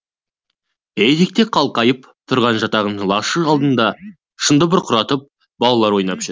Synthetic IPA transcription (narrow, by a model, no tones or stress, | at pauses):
ej̪ik̚t̪e̞qʰɑlˠqɑjəp | t̪ʰʊɾʁɑnʒɑt̪ɑʁənlˠɑʃəɑlˠd̪ənd̪ɑ | ʃənd̪əbʊɾqʰʊɾɑt̪əp̚ | bɑlˠɑlˠɑɾwo̞jnɑpʒ̥e